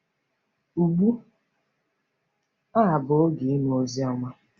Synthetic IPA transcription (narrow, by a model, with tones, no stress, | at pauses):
u˨ɡ͡bu˦ | a˦a˨bʊ˨˦ɡi˨i˦nu˨o˦zi˦ɔ˦ŋa˦